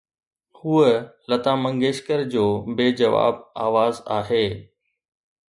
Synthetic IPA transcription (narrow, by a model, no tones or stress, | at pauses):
huəlɐt̪aːmɐ̃ŋɡeːʃkəɾd͡ʑoːbeːd͡ʑɐʋa̰ːbaːʋaːza̰ːɦeː